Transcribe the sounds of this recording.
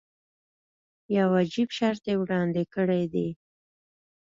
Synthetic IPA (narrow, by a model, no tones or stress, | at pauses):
jawad͡ʒibʃaɾt̪ewɽɑnd̪ɪkəɽejd̪e